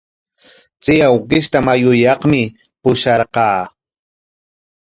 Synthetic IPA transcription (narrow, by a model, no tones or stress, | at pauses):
t͡sɪjawqɪʃt̪amajʊjɑχmɪpʊʃɑɾqɑː